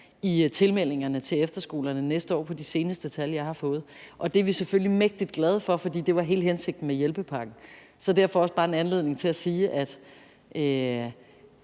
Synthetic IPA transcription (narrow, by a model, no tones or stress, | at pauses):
it͡sʰe̝lmel̰e̝ŋɐnət͡sʰe̝efd̥ɐsɡ̥o̝̰ːlɐnənesd̥əɒ̰ːpʰɒ̽d̥ise̝ːnəsd̥ət͡sʰæljɑ̈ɪhɑ̈fɔ̽ːð̞̩ˠʔɒ̽d̥e̝ɐʋiseføl̰limeɡ̥̚d̥id̥̚ɡ̥lɛð̞ˠfɒ̽fɒ̽d̥ḭːd̥e̝ʋɑ̈ɦe̝̰ːlhense̝ɡ̥̚d̥n̩mejelb̥əpʰɑ̈ɡ̥n̩ | sɒ̽d̥æɐfɒɒ̽sb̥ɑ̈ːe̝nænle̝ð̞̰ˠne̝ŋt͡sʰe̝læsiːʔæd̥ | ʔø